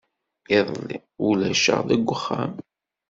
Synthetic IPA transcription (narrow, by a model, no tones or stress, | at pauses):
ɪðˤlːi | ulæʃə̰ʁðæɡʷːəχːam